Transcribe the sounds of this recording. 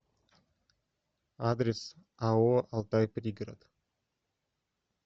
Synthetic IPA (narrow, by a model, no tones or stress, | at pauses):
ad̪ɾʲes | aoalˠt̪ajprʲiɡra̰d̪